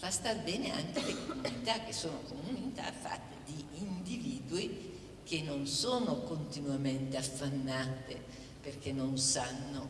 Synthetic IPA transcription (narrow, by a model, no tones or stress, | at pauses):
v̥ast̪abɛːnea̰ŋk̟elekomunit̪ak̟ːesːoːnokomuuniit̪a̰fːa̰t̪ːed̪iːnd̪iviːd̪ui | k̟enːonsoːnokont̪inuament̪eafːanːaːt̪ḛ | perkenːonsanːo